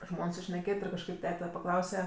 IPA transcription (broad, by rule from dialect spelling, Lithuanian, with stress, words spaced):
ˈʒmoːn sʊʃʲnʲɛˈkʲeːtʲ ɪr kɐʃˈkɐɪp ˈtʲæːtʲɛ pɐˈklˠɐʊsʲɛ